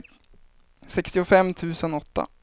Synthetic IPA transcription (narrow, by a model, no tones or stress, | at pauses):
sɛkst̪ɪʊfɛmːt̪ʰʉ̟ːsənɔt̪ːa̰